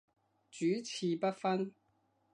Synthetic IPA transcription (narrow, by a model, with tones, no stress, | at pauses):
t͡ʃyː˨˥t͡sʰiː˧pɐ˥t̚fɐ˥n